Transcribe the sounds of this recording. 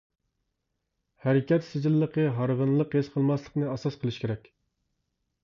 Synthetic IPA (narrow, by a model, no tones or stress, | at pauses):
hæɾɪkʲɛt̪sɪd͡ʒilːəqəɦɑɾʁənlˠəqɦesqʰəlˠmɑslˠə̥qnɨɑsɑsqʰəlˠɨʃkʲʰeɾɛkʲ